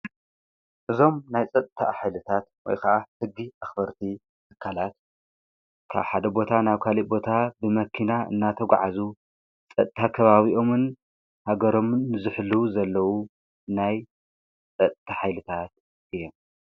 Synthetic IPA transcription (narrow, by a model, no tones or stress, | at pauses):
ʔɨzo̞mnajt͡sʼɐt̪ʼt̪ʰa̰ħajlɨt̪ʰat̪wɔ̰jkʰɐʔahɨɡːiʔaxbɐɾt̪ʰi | t̪ʰɨkʰːalat̪ | kʰa̰βħad̪ɐbo̞t̪ʰanaβkʰalibo̞t̪ʰabɨmɐkʰinaɨ̰nːat̪ʰɐɡ̰ʷʕazu | t͡sʼɐt̪ʼt̪ʰakʰɐβaβiʔo̞mɨn | haɡɐɾo̞mnːɨzɨħluzɐlːɐwu | naj | t͡sʼɐt̪ʼt̪ʰaħajlɨt̪ʰat̪̚ | ʔɨjːom